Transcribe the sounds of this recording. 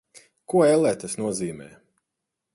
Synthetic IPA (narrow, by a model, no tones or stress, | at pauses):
kuɔɛlˠɛt̪ɐsnuɔziːmɛ̰ː